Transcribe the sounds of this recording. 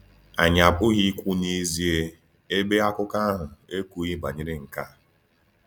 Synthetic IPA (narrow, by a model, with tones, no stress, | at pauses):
a̰˨ɲa˨pʊ˦ɣi˦kʷu˦ni˦zi˦e˦ | e˦be˦a˦kʊ˦ka˦ɦʊ˨e˦ku˦ɣi˦ba˨ɲɪ˦ɾɪ˦ŋ̩˨ka˦